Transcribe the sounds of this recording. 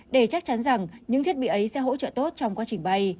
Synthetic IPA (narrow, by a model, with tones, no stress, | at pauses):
ɗe˧˩t͡ɕa˦˥k̚t͡ɕa˨˦nza˨˩ŋɲɨ̰˧˥ŋʰi˦˥ət̚ɓi˧˨ʔə˨˦jsɛ̰˧˥ɦo̰˧˥t͡ɕə̰ː˧˨t̪o˦˥t̚t͡ɕɔ˧wŋ͡mkwaː˨˦t͡ɕï˨˩ŋ̟ɓa˧j